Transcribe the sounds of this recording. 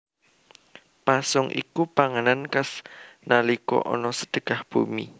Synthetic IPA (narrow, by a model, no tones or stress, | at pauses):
pasʊŋʔḭkupaŋənankasnalikɔ̰ʔɔ̰nɔsə̥d̥əɡ̥ahb̥umḭ